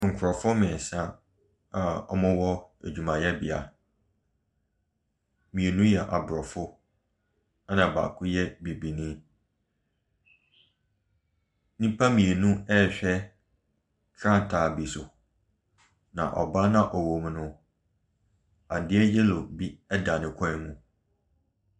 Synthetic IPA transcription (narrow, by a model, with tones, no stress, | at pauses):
ŋ̩˨kʰʊ˨ɾɔ˨fʊ˦mɪ̃˨sã˦ | a˨ɔ̰˦mʊ̃˦wɔ˦æ̰˨d͡ʑᶣu˨mã˨jɛ˦bɪ˨a̰˨ | mĩ˨e˨nũ˦jɛ˨ʔa˨bɾɔ˨fʊ˦ | a˦nã˨ba̰˨kʰʊ˦jɛ˦bi˨bi˨nĩ˦ | nĩ˦pʰa˦mĩ˨e˨nũ˦ɛ˦˨ɕᶣɛ˦ | kʰɾã˦n˨tʰaː˨bi˨sʊ˨ | nã̰˨ʔɔ̰˨ba˦nã˦ʔɔ˨wo˨m˦nʊ̃˦ | a˨n˨dɪ˦ɛ˦jɛ˦lo˨bi˦ɛ˦da˨nɪ̃˨kʰɔ̃˦ɪ̃˦mũ˨